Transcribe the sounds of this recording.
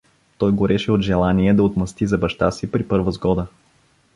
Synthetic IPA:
t̪ɔjɡʊɾɛʃɛod̪ʒɛlˠaniɛd̪ɐot̪mɐst̪izɐbɐʃt̪asipɾipɤɾvəzɡɔd̪ə

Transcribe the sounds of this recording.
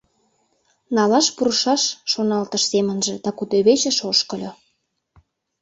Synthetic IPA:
nɑlɑʃpuɾəʃɑʃːonɑlt̪əʃsemənʒĕd̪ɑkut̪øβet͡ɕə̆ʃoʃkə̆lʲo

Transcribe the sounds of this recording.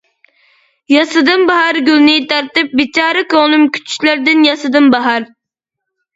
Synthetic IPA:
jɑsɨd̪ɨmbɑhɑɾɡʲylˠnɪt̪ʰɑɾt̪ɪp̚bit͡ʃɑːɾɨkoʁnumkʲʰy̥t͡ʃʰy̥ʃlæɾd̪ɪnjɑsɨd̪ɨmbɑɦɑɾ

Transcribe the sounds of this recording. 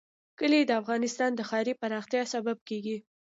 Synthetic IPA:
kəlid̪əafɣɑnɪst̪ɑnd̪əxɑɾipaɾɑxt̪jɑsabab̚keɡi

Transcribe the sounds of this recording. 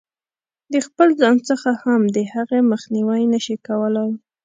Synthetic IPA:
d̪əxpəlzɑnt͡səxahamd̪əhaɣeməxniwajnəʃikawəlaj

